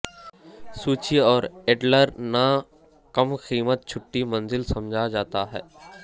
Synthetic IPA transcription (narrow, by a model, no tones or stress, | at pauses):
suːt͡ʃiɔːɾeːɖləɾna | kɐmxiːmət̪̚t͡ʃʰʊʈːimɐ̃nzɪlsɐ̃md͡ʒʱad͡ʒaːt̪aɦɛ̰ː